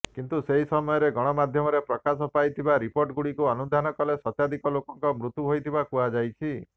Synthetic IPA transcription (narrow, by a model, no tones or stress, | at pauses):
kint̪useɦisɔmɔjɔɾeɡɔɽ̃ɔmad̪ʱjɔmɔɾepɾɔkasɔpajt̪ʰibaɾipoɾʈɔɡuɽikuɔnud̪ʱanɔkɔlesɔt̪jad̪ʱikɔlokɔŋkɔmɾut̪ːuɦojt̪ʰibakuad͡ʒajt͡ʃʰi